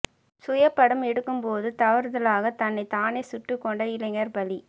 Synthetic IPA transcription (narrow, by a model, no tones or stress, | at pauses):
sʊjɐpːɐɽɯmɛɽɯkːɯmpoːðɯt̪ɐʋɐɾðɐlaːɣɐt̪ɐnːɐɪt̪aːnesʊʈːɯkːɔɳɖɐɪlɐŋɐɾbɐli